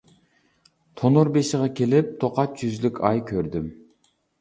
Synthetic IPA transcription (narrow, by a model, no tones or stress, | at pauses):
t̪ʰonuɾbeʃɪʁɑkʲʰelɪp̚t̪ʰoqɑt̪̚d͡ʒyzlykʲʰɑjkʲʰøɾd̪ym